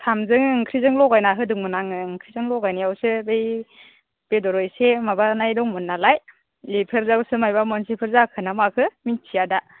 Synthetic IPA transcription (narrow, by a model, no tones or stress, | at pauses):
tʰamzɯŋŋkʰɾizɯŋlɔɡajnaɦɯdɯŋmɯnaŋɯŋkʰɾizɯŋlɔɡajnajawsɯbej | b̥edɔɾɔjsemabanajdɔŋmɯnːalaj | lipʰeɾzawsɯmajbamɔnsipʰɯɾzakʰɯnamakʰɯmintʰijada